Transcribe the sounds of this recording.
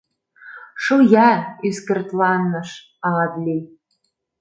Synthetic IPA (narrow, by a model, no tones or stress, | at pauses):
ʃujæyskɘ̆rt̪lˠɑnːɤ̆ʃ | ɑʁɑt̪lʲij